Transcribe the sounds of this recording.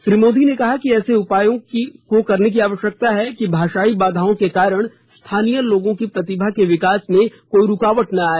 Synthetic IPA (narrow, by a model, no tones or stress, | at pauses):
ʃɾiːmoːd̪ʱinekɐɦakiɛːseʊpaːjõkikokɐɾnek̬iaːʋəʃjək̚t̪aɦɛkibʱaːʃaːibaːd̪ʱaːõkekaːɾəɽ̃ | st̪ʰaːnijəloːɡõkipɾɐt̪ɪbʱakeʋɪkaːsmẽkoːiɾʊkaːʋəʈnaaːeː